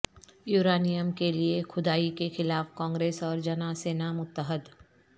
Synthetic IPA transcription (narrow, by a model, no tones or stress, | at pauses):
juːɾaːnijəmkeliexʊd̪aːikexɪlaːfkɔ̃ːŋɡɾeːsɔːɾd͡ʒɐnaseːnamʊt̪ːəɦəd̪